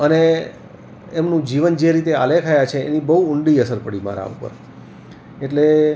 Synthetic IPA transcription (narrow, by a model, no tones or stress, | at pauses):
əne | emnũd͡ʒiʋənd͡ʒeɾit̪ea̰lekʰajat͡ʃʰeːnibəɦuʊɳɖiəsəɾpəɽima̰ɾa̰ṵpə̰ɾ | eʈle